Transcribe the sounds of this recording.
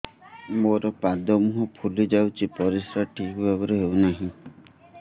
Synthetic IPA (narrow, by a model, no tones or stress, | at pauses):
moɾɔpad̪ɔmuɦɔpʰulid͡ʒawt͡ʃʰipɔɾisɾaʈʰikbʱabɔɾeɦewnaɦĩ